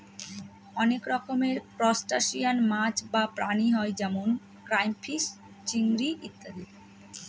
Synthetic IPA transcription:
ɔnekɾɔkomeɾpɾɔsʈaʃijanmat͡ɕbapɾaniɦɔed͡ʑɛmon | kɾajmfʰis | t͡ɕiŋɡɾiʔit̪ːad̪e

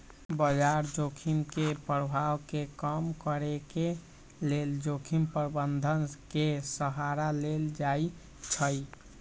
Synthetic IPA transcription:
bəd͡ʒaɾd͡ʒokʰimkepɾəbʱawkekəmkəɾeke | leld͡ʒokʰimpəɾbənd̪ʱənkesəɦaɾaleld͡ʒai | t͡ʃʰə

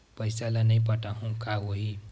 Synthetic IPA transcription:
pʌjsalanʌjpʌʈaɦõkʰaɦoɦi

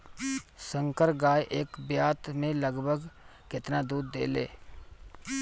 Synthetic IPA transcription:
sə̃ŋkəɾɡaːjʔeːkbjaːt̪mẽləɡbʱəɡ | kɪt̪nad̪uːd̪ːḛːlḛː

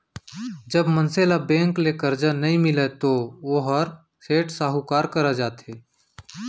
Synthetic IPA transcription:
d͡ʒəbmənseːlabɛ̃ːŋklekəɾd͡ʒanɐɦĩmɪlet̪ooːɦəɾ | seːʈsaːɦukaːɾkəɾad͡ʒaːt̪ɦeː

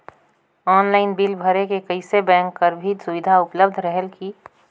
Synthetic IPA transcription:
ɔːnlaːɪnbilbʱəɾekekəɪsebɛ̃ːŋkːəɾbʱit̪sʊʋɪd̪ʱaʊpləbd̪ʱɾəɦəlki

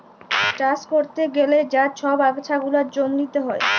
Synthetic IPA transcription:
ʈaskoɾt̪eɡeled͡ʑaʃʰɔbaɡt͡ɕʰaɡulaɾd͡ʑomnit̪eɦɔe

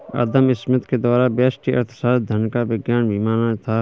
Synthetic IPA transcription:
ə̰d̪əmɪsmət̪keːd̪waːɾaːbeːsʈiə̰ɾt̪saːd̪ʱənkaʋɪɡjaːnbʱiːmaːnat̪ʰaː

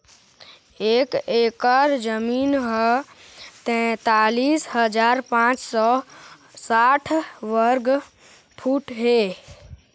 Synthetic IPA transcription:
eːkekəɾd͡ʒəmiːnɦə | t̪ɛ̃t̪alisɦəd͡ʒaːɾpãt͡ʃsɔ | saʈʰʋəɾɡ | pʰuːʈɦe

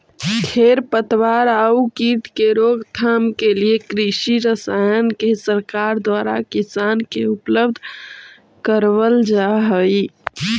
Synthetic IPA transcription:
t̪ʰeɾpət̪waɾaukit̪keɾoɡt̪ʰamkeliekɾiʃiɾəsajənkesəɾkaɾd̪waɾa̰kisankeupləbd̪ʱ | kəɾʋəld͡ʒaɦəi

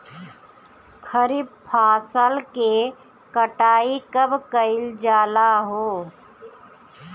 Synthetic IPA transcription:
kʰəɾib̚pʰaːsəlke | kəʈaːikəbkəɪld͡ʒaːlaɦoː

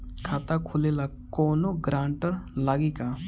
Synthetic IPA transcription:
kʰat̪akʰulelakonoɡɾʔãɳʈəɾlaɡika

